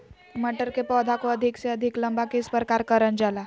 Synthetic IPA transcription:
məʈəɾkepɔd̪ʱakoəd̪ʱikseəd̪ʱikləmbakespəɾkaɾkəɾənd͡ʒala

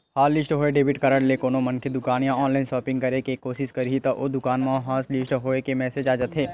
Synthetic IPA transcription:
haːllɪsʈɦoːeɖeːbʱɪʈkɐɾəɽlekoːnomɐnkʰed̪ʊkaːnjãɔːnlaːɪnʃɔːpɪ̃ŋɡ̚kɐɾekekoːsɪskɐɾit̪ɐʔod̪ʊkaːnmãɦaːslɪsʈɦoːekemɛːsed͡ʒaːd͡ʒət̪ɦeː

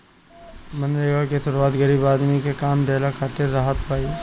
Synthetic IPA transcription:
mɐ̃nɾeɡəkesʊɾuwaːt̪ɡɐɾiːbaːd̪mikekaːmd̪eːlakʰaːt̪ɪɾːaːɦət̪bʱaːi

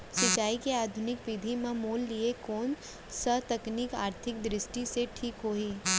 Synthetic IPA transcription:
ʃɪt͡ʃaːikiaːd̪ʱʊnɪkʋɪd̪ʱimɐ̃muːlːiekoːn | sət̪ɐknika̰ːɾt̪ʰɪk̚d̪ɾɪsʈiseʈʰiːkɦoːɦiː

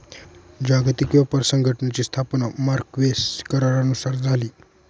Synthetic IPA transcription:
d͡ʑaɡt̪ikʋapəɾsəŋɡʱəʈnat͡ɕiːst̪ʰapnamaɾkʋeskəɾaɾanusaɾd͡zʱaliː

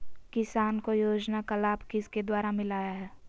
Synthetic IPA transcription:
kɪsaːnkojoːd͡ʒnakalaːbkɪsked̪waːɾamɪlaːjaɦɛː

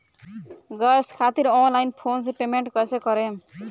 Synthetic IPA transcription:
ɡʌskʰat̪iɾɔnlajnpʰons̬epemeɳʈkʌjsekʌɾe

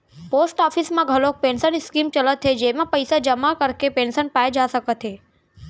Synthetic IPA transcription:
posʈɔfʰismãɡʱəlok̚pensənskimt͡ʃələt̪ʰːed͡ʒemãpəjsad͡ʒəmakəɾkepensənpajd͡ʒasəkət̪ʰe

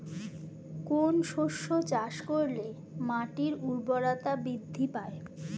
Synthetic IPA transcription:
konʃoʃːot͡ɕaʃkoɾle | maʈiɾuɾboɾat̪abɾid̪ʱːipae

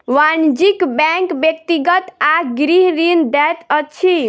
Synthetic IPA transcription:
ʋand͡ʒikbɛŋkbjek̚t̪iɡət̪aɡɾiɦɾind̪ɛt̪ət͡ʃʰi

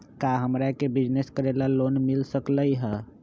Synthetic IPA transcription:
kaɦəmɾakebid͡ʒneskəɾelalonmilsəkləjɦə

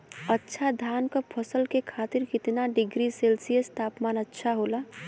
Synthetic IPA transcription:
ətːʃʰad̪ʱaːnkəpʰəsəlkekʰaːt̪ɪɾkɪt̪naɖɪɡɾiselsijəst̪ʰaːpmaːnətːʃʰaɦoːla

